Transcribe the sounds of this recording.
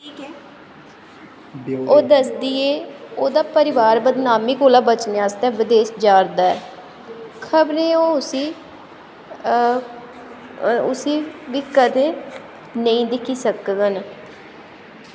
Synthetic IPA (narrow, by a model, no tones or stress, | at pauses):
iːkː | oːd̪əsd̪iːeːoːd̪aːpəɾɪʋaːɾbəd̪naːmiːkoːlaːbət͡ʃnjaːst̪ɛ̃ːʋɪd̪eːʃd͡ʒaːɾd̪aːɛː | kʰəbɾẽːoːʊsiː | ʊsiːʋiːkəd̪ẽː | nəĩːd̪ɪkʰiːsəkɡən